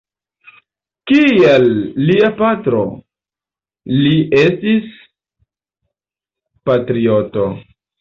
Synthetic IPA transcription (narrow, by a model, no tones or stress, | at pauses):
kielːiapatɾo | liʔe̞stis | patɾioto̞